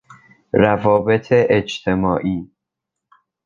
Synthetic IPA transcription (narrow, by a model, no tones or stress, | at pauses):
rævɒːbe̞t̪ʰeʔed͡ʒt̪ʰe̞mɒːʔiː